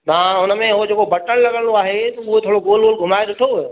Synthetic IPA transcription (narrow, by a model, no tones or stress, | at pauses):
t̪ɐãʊnəmẽɦod͡ʑeːkobɐʈənlɐɡəɽoaːɦet̪ʊɦet̪ʰoːɽoɡoːlɡoːlɡʱʊmaːed̪ʊʈʰo